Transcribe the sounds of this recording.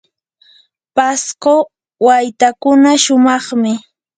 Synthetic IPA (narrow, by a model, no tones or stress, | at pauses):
pasko | wajt̪akʊnaʃʊmɑχmɪ